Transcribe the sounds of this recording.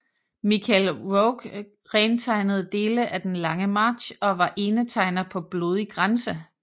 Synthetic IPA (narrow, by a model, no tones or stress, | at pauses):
mikʰælʁɔʊɡ̥ | ʁɛːnt͡sʰɑ̈ɪnəð̞̩ˠd̥e̝ːləʔæd̥enlɑ̈ŋəmɑ̈ːd̥ɕɒ̽ʋɑ̈ʔe̝ːnət͡sʰɑ̈ɪnɐpʰɒ̽b̥lo̝ð̞ˠiɡ̥ʁansə